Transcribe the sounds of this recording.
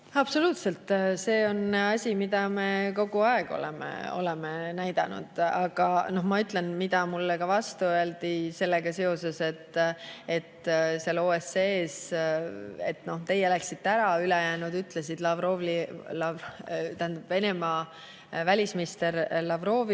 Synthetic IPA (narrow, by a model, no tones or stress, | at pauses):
ɑb̥so̞luːt̪se̞lt̪ˑːse̞ːo̞nɑsʲimid̪̥ɑme̞ko̞ɡ̥uɑeɡ̥o̞̰lḛmḛo̞̰lemenæjd̪̥ɑnṵd̪̥ɑɡ̥ɑno̞hmɑyt̪ˑlenmid̪̥ɑmulːekɑvɑst̪uøeld̪̥ise̞lːeɡ̥ɑse̞o̞se̞se̞t̪ːe̞t̪ːseloːeseeːs | e̞̰t̪ːˑno̞ht̪e̞jelæksit̪ːeæɾɑylejæːnud̪yt̪ːˑlesid̪lɑvro̞vlilɑvt̪æhend̪̥ɑb̥ve̞ne̞mɑ | vælʲismist̪eɾlɑvro̞ːvi